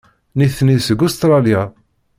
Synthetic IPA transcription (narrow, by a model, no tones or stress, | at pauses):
niθnisəɡʊst̪ɾˤɑlja